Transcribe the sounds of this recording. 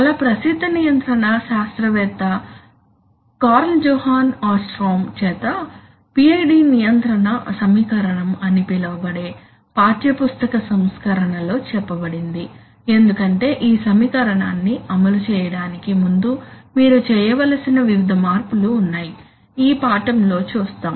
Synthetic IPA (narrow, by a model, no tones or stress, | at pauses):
ɐlɐpɾɐsid̪ʱːɐnijɐnt̪ɾɐɳɐʃaːst̪ɾɐʋɛːt̪ɐ | kaːɾld͡ʒɔːhaːnaːsʈɾoːmt͡ʃɛːt̪ɐ | piɐjɖiːnijɐnt̪ɾɐɳɐsɐmiːkɐɾɐɳɐmɐnipilɐʋɐbɐɽe̞ː | paːʈjɐpust̪ɐkɐsɐmskɐɾɐɳɐlo̞ːt͡ʃɛpːɐbɐɽind̪i | e̞nd̪ukɐɳʈe̞ːʔiːsɐmiːkɐɾɐɳaːnːiɐmɐlut͡ʃɛːjɐɽaːnikimund̪umiːɾut͡ʃɛːjɐʋɐlɐsinɐʋiʋid̪ʱɐmaːɾpuluːnːaːji | iːpaːʈɐmlo̞ːt͡ʃuːst̪aːm